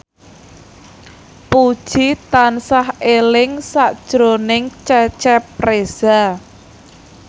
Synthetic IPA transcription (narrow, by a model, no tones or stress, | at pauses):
pud̥ʒ̥it̪ansahelɪŋsaʔd̥ʒ̥ɾonɪŋt͡ʃɛt͡ʃɛprez̥a